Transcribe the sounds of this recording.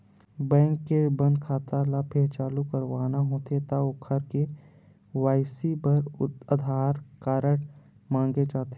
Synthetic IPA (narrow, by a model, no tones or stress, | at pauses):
bɛ̃ːŋkːebɐ̃nd̪̚kʰaːt̪alapʰeɾt͡ʃaːlukəɾʋaːnaɦoːt̪et̪aʊkʰəɾke | waːɪsibəɾəd̪ʱaːɾkaːɾəɽ | mãːŋɡed͡ʒaːt̪e